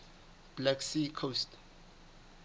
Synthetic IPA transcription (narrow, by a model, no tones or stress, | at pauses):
b̥lɛksikʰost